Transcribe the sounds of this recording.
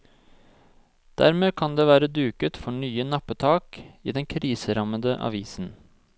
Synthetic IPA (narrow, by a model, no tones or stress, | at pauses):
d̪̥æɾmeːkʰɑnd̪eːʋæːɾəd̪ʉːkət̪fɔɳyːənɑpət̪ʰɑːkḭːd̪ɛŋkʰɾiːsəɾɑməd̪əʔɑ̰ʋiːsn̩